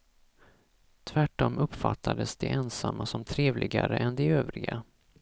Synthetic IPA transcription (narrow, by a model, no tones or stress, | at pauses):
t̪ʰvæʈːɔmʔɵpfat̪ʰːad̪əsd̪ɛʔɛnsamːasɔmt̪ʰɾeːvlʔɪɡaɾəʔɛnd̪ɛøːvɾɪɡa